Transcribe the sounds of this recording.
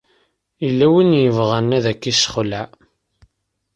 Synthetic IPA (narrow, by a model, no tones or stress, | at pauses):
ilːæwinjəvʁænːæðækːisχəla